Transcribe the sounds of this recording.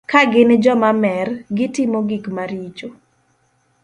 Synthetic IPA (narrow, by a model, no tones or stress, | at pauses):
kaɡɪnd͡ʒɔmamɛrɡɪtɪmoɡikmaɾit͡ʃo